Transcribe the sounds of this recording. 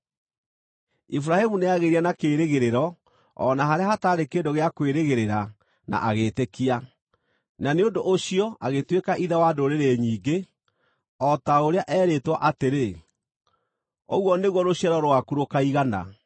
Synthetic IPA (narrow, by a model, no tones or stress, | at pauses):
ifuɾahemuneaɣeɾianakeːɾeɣeɾeɾɔ | ɔ̰naɦaɾeaɦhataɾekeːndoɣeakweɾeɣeɾeɾa | na̰ʔaɣetekia | naneondoʔoɕiɔaɣetwekaʔiðawadoɾeɾeɲiːɡe | ɔtaoɾeaʔɛːɾetwa̰ʔateɾe | ɔɣwɔneɣwɔɾoɕiaɾɔɾowakuɾokaiɣana̰